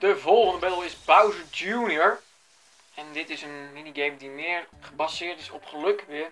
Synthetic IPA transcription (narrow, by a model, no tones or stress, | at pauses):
d̥əvɔlˠχəndəbɛtəl̩ˠɪzbawzəd͡ʒunjəɹ | ɛndɪtɪsənminiɡejmdimɪːəɹχəbasɪːɹtɪsɔpχəlɵkʋɪɹ